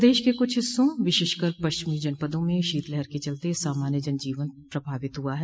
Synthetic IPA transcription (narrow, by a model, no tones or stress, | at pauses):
d̪eːʃkekʊt͡ʃʰɦɪsːõʋɪʃɪːʃkəɾpɐʃt͡ʃɪmid͡ʒɐnpəd̪õmẽʃiːt̪lɛɦɛɾket͡ʃɐlt̪esaːmaːnjəd͡ʒɐnd͡ʒiːʋənt̪̚pɾɐbʱaːʋɪt̪ɦuaɦɛ